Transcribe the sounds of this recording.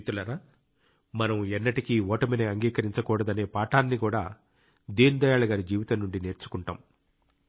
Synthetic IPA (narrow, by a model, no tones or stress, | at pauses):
t̪ulɐna | mɐnɐmɛnːɐʈikiɔːʈɐmineɐŋɡiːkɐɾiɲt͡ʃɐkuːɽɐd̪ɐne̞ːpaːʈaːnːikuːɽaː | d̪iːnd̪ɐjaːɭɐɡaːɾid͡ʒiːʋit̪ɐnːuɳɖine̞ːɾt͡ʃu̥kuɳʈa̰ːm